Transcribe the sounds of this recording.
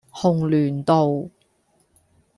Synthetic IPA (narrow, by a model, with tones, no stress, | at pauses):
hʊ˨˩ŋlyː˨˩nt̪o˨w